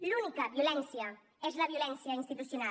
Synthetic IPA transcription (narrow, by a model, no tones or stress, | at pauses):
lunikɐβjolɛnsjɐ | ɛzlɐβjolɛnsjainst̪it̪usjuna